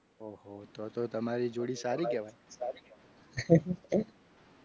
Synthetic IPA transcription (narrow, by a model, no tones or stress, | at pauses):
oɦot̪ot̪ot̪əmaɾid͡ʒoɽisaɾikɛʋajsaɾikɛa